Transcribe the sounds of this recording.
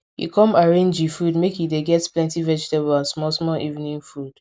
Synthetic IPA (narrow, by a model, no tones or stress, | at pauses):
jḭkʰɔ̃maɹẽnd͡ʒifudmekjideɡɛtplɛ̃ntivɛd͡ʒtebəlansmɔsmɔʔivnĩnfud̥